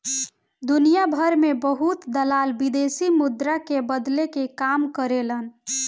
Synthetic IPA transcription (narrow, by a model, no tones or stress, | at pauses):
d̪unijabʱəɾmebəɦut̪d̪əlaːlbid̪esimʊd̪ɾakebəd̪lekekamkəɾelən